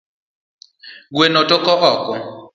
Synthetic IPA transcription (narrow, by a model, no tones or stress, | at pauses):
ɡwenɔtʼɔkʼɔɣɔːkʼɔ